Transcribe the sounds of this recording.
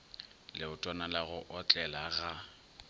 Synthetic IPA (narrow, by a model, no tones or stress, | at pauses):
lɪʊtʼɔnalaɣʊʔɔt͡ɬʼɛlaɣa